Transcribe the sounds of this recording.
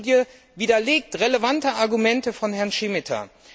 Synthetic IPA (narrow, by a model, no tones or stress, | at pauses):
djə | viːdɐleːk̚tʁeləvantəʔaɐɡumɛntəfɔnhɛɐnʃɪmɪtʰɐ̰